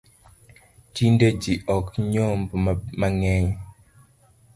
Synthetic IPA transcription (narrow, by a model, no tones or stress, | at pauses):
t͡ʃinded͡ʒiʔɔkɲombmaŋɛɲ